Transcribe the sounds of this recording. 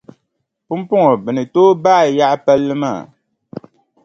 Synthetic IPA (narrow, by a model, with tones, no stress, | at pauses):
pu˦m˦pu˦ŋo˨bɨ˨nɨ˨toː˦baː˦˨ja˦ʔpɛ˦lːɨ˦ma̰ː˦˨